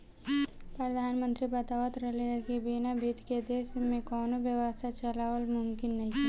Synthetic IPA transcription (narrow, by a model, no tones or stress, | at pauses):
pɾɐd̪ʱaːnmə̃nt̪ɾibɐt̪aːʋət̪ɾɐɦleɦɛkibinabʱid̪ked̪eːʃmẽkɔːnobjəʋəst̪ʰat͡ʃɐlaːʋəlmʊmkɪnːɐɦĩ